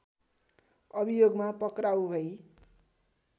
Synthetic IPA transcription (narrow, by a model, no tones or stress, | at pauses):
ʌbijoɡmapʌkrawɦʌj